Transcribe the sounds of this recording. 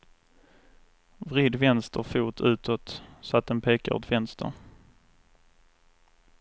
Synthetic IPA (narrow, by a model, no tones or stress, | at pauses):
vɾɪːd̪vɛnst̪ʰəɾfuːt̪ʰʉ̟ːt̪ʰɔt̪sɔat̪̚ːɛnpʰeːkaɔ̰t̪vɛnst̪ʰə̰ɾ